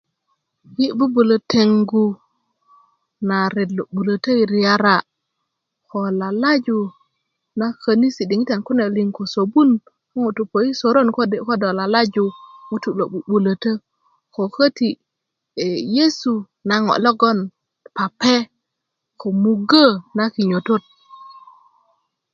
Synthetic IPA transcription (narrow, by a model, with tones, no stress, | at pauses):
ji˦bu˦bu˨lo˨tʰe˨ŋɡu˦ | na˨ɾe˨dlo˨ɓu˨lə˨ta˦i˨ɾi˨ja˦ɾa˨ | ko˨la˨la˦d͡ʒu˨ | na˦ka˨ni˦si˨di˨ŋi˦ta˨nku˦ne˨li˨ŋko˨so˨bu˦n | ko˦ŋo˨tu˨po˨i˦so˨ɾo˦nkko˦do˨la˨la˦d͡ʒu˨ŋu˦tu˨lo˨ɓu˨ɓu˨la˨tə˦ | ko˨kə˦ti˨ | e˨je˦su˨ | na˨ŋo̰˨lo˦ɡo˦n | pa˨pe˦ | ko˨mu˨ɡa˦na˦ki˨ɲo˨to˦t̚